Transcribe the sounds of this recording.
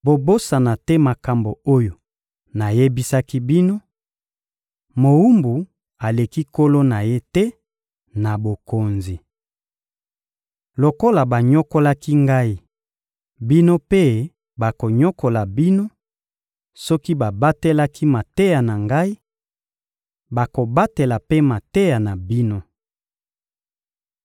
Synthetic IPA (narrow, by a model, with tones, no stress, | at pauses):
bo˨bo˦sa˨na˨tɛ˦ma˨ka˨mbo˨o˦jo˨ | na˨je˦bi˦sa˦ki˦bi˦no˦ | mo˨wu˦mbu˨ | a˨le˨ki˦ko˦lo˦na˨je˦tɛ˦ | na˨bo˨ko˨nzi˨ | lo˨ko˦la˨ba˨ɲɔ˦ko˦la˦ki˦ŋɡa˦i˦ | bi˦no˦pe˦ | ba˨ko˨ɲɔ˦ko˨la˨bi˦no˦ | sɔ˦ki˦ba˨ba˦te˦la˦kʰi˦ma˨te˦ja˨na˨ŋɡa˦i˦ | ba˨ko˨ba˦te˨la˨pe˦ma˨te˦ja˨na˨bi˦no˦